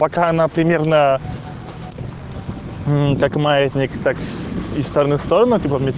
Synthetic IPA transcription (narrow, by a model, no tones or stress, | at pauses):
pɐkaɐnapɾʲɪmʲe̞rnə | kakmaɛt̪ʲnʲikt̪akɪst̪oɾənɨfst̪oɾənɨtʲipəmʲɪt̪